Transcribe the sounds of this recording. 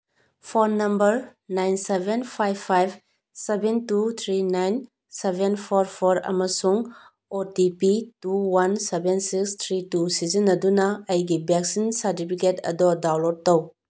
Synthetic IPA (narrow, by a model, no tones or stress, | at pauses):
pʰɔɾnɐmbɐɾnajnsebenpʰajbʰajbʰ | sebentut̪ʰɾinajn | sebʱenpʰɔɾpʰɔɾɐ̰mɐsuŋ | otipituwansebensikst̪ʰɾitusizinːɐdunɐːjɡibɛksinsaɾtipʰiketɐ̰dɔdawlot̚tow